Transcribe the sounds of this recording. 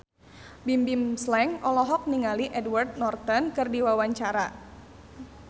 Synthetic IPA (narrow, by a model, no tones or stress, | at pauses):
bimbimslɛŋʔɔlɔɦɔk̚niŋaliʔɛdward̪̚nɔrt̪ɔnkɨrdiwawaɲt͡ʃaɾa